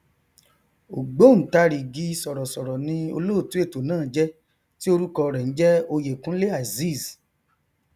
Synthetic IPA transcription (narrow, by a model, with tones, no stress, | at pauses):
o˨ɡ͡bo˨˦ñ̩˨ta˧ɾi˨ɡi˨˦˧sɔ˨ɾɔ˨sɔ˨ɾɔ˨nĩ˧o̰˧lo˦o˦˨tu˨˦e˦˨to˨nãː˦˨˦d͡ʒɛ˦ | ti˦o˧ɾu˦kɔ˧ɾɛ˨n̩˦d͡ʒɛ˦o˧je˨kũ˦le˦a˨zi˦˨s